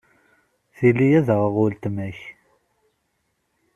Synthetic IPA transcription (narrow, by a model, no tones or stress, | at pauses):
θilːijæðəʁəʁʊlt̪mæç